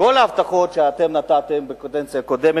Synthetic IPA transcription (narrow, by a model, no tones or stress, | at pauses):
ko̞laːvt̪aχo̞t̪ʃeat̪e̞mnat̪at̪embekont̪ent͡sijako̞d̪eme